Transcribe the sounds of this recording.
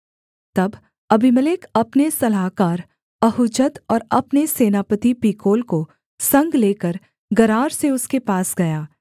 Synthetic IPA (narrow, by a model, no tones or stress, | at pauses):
t̪ɐb | ɐbiməlɪkʰɐpnesɐlaːkaːɾ | ɐɦʊd͡ʒət̪ɔːɾɐpneseːnaːpət̪ipiːkoːlko | sɐ̃ŋɡleːkəɾ | ɡɐɾaːɾseʊskepaːsɡɐjaː